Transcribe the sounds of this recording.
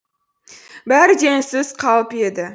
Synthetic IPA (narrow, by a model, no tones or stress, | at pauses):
bæɾd̪e̞ŋsɪz̥qʰɑlˠəpe̞d̪ɪ